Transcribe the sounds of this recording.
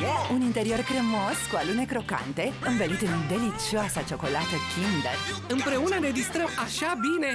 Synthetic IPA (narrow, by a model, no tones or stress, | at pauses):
unint̪e̞ɾio̞rfɾɨmo̞skualune̞kɾo̞ka̰nt̪e̞ɨɱvelut̪ɨnd̪e̞lit͡ʃioasat͡ʃo̞ko̞lat̪əkʰʲind̪ə̰ɨmpɾe̞unəɾe̞d͡ʒist̪ɾəmaʃabine̞